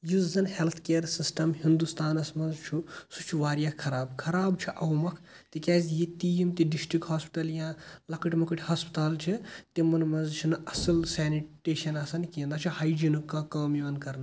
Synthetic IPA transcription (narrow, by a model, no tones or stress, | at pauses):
juːzɐnhelt̪ʰkeːɾsisʈɐmhind̪ust̪aːnɐsmɐnzt͡ʃʰusut͡ʃʰuʋaːɾijakʰːɐɾaːbkʰɐɾaːbt͡ʃʰuʔɐwmɐkʰ | t̪ikʲɛːzjit̪ijimt̪iɖisʈɾikhaːspi̥ʈɐljãːlɐkɨʈmɐkɨʈʰʲhaːspi̥t̪aːlt͡ʃʰit̪imɐnmɐnzt͡ʃʰunɐsɐlsɛːniʈeːʃɐnasɐnkĩːnd̪aːt͡ʃʰihaːjd͡ʒinukːakɐːmiʋɐnkɐɾnɐ